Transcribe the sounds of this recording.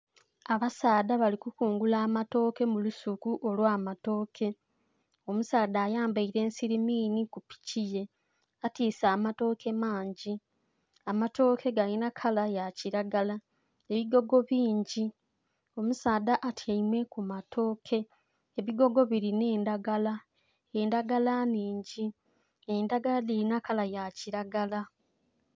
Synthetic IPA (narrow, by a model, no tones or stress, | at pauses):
aβasaːd̪aβalikukuːŋɡulaːmato̞ːke̞mulusukuʔo̞lwaːmato̞ːkʰe̞ | o̞musaːdaːjaːmbaiɾe̞ːnsiɾimiːnikupi̥cije̞ | atiːsaːmato̞ːke̞maːɲɟi | amato̞ːkʰe̞ɡalinakʰalajaciɾaɡala | e̞βiɡo̞ɡo̞βiːɲɟi | o̞musaːd̪aʔatʰjaimwe̞kumatʰo̞ːkʰe̞ | eβiɡo̞ɡo̞βiɾine̞ːndaɡala | endaɡalaniːɲɟi | endaɡaladiɾinakalajaciɾaɡala